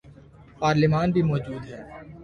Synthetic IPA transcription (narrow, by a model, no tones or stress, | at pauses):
paːɾlɪmaːnbʱimɔːd͡ʒuːd̪ɦɛː